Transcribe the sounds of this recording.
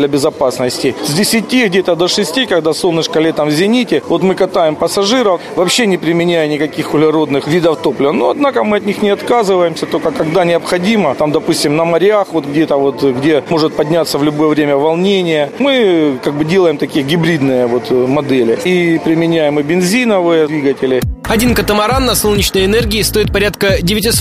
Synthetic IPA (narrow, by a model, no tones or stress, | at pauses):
lʲɐbʲɪzɐpasnəsʲtʲɪzʲdʲɪsʲɪtʲiɡdʲet̪əd̪ɐʂɨsʲtʲikɐɡd̪asolˠnɨʂkɐlʲet̪amzʲɪnʲitʲɪvo̞t̪mɨkɐt̪ajɪmpəsɐʐɨɾəf | vɐːpɕːenʲɪpɾʲɪmʲɪnʲæjɪnʲɪkɐkʲixʊlʲɪɾo̞d̪nɨxvʲid̪əft̪o̞plʲɪvɐnoɐd̪nakəmɨɐt̪ʲnʲixnʲɪɐt̪kazɨvəjɪmsʲɐt̪olʲkəkɐɡd̪anʲɪɐpxɐdʲimət̪amd̪ɐpusʲtʲɪmnɐmɐɾʲɪaxvo̞t̪ɡdʲet̪əvo̞t̪ɡdʲemo̞ʐɨt̪̚pɐdʲnʲat̪sːəvlʲʊbo̞jəvɾʲemʲəvɐlˠnʲenʲɪjəmɨkaɡ̚bɨdʲelˠəjɪmt̪ɐkʲijəɡʲɪbɾʲid̪nɨjəvo̞t̪mɐd̪ɛlʲɪipɾʲɪmʲɪnʲæjɪmɨbʲɪnzʲinəvɨjəvʲiɡətʲɪlʲɪɐdʲinkət̪əmɐɾanːɐsolˠnʲɪt͡ɕnəjɪnɛrɡʲɪːst̪o̞ɪt̪̚pɐɾʲat̪kədʲɪvʲɪtʲɪs